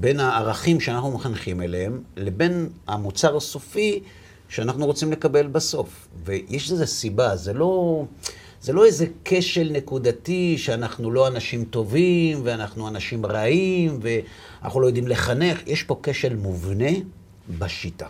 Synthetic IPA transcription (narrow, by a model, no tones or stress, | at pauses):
be̞naːʁaχimʃeanaχnumeχanχimelehemle̞be̞na̰mut͡saʁaso̞fi | ʃeanaχnuʁo̞t͡simle̞kabe̞lbaso̞f | vejeʃezesibazelo̞ | zelo̞eze̞kʰe̞ʃe̞lne̞kud̪atiʃeanaχnulo̞anaʃimt̪o̞vimveanaχnuanaʃimʁaimve̞ | ana̰χnulojod̪imle̞χane̞χjʔeʃpo̞keʃe̞lmuvne̞ | baʃit̪a